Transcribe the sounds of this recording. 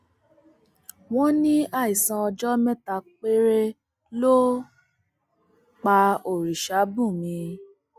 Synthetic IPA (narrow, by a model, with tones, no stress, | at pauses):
w̃ɔ̃˦nĩ˦a˦˨i˨sã˨˧ɔ˧d͡ʒɔ˦mɛ̃˦ta˧˨k͡pe˦ɾe˦ | lo˦ | k͡pa˧o˨ɾi˨ʃa˨˦bũ˦˨mĩ˧